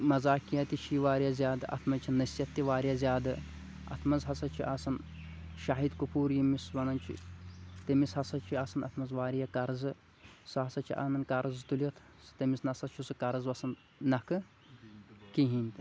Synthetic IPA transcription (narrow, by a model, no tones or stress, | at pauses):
mɐzaːkijɐt̪ʲiʃʰiʋaːɾijazʲjaːd̪ɨʔɐ̰t̪ʰmɐnt͡ʃʰinɐsʲjɐt̪ːiʋaːɾijazʲjaːd̪ɨ | ɐ̰t̪ʰmɐzɦɐsɐt͡ʃʰiʔɐsɐn | ʃaɦid̪kupʰuːɾjimisʋɐnɐnʲt͡ʃʰḭt̪ɐmishɐsɐt͡ʃʰiɐsɐnɐt̪ʰmɐzʋaːɾijɐkɐɾzɨ | sɨɦɐsɐt͡ʃʰiʔɐ̰nɐnkɐɾɨzt̪ulʲɐt̪ʰ | st̪ɐmisnɐsɐt͡ʃʰusɨkɐɾɐzʋɐsɐn | nɐkɨ | kiɦinʲt̪ʲi